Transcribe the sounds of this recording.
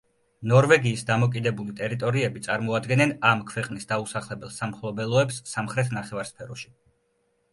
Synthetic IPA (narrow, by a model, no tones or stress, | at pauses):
nɔɾvɛɡiːsd̪amɔkʼid̪ɛbulit̪ʼɛɾit̪ʼɔɾiɛbit̪sʼaɾmɔad̪ɡɛnɛnamkʰvɛqʼnisd̪ausaχlɛbɛlˠsamχlˠɔbɛlˠɔɛpsːamχɾɛt̪ʰnaχɛvaɾspʰɛɾɔʃi̥